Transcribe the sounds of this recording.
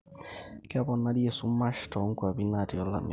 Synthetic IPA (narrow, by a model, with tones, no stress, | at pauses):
ka˦bɔ˨na˦di˦e˨su˦mː˦a˦ʃtʰɔ˨˦ŋ̩˦kwa˨bi˦na˦˨di˨ɔ˦la̰˨mḭ˨